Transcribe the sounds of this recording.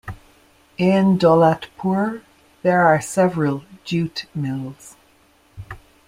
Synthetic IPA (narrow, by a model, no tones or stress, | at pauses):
ɪ̃ndɔlatpʰuɹ | ðəɹaɹsɛvɹəlˠd͡ʒʉːtmɪlˠz̥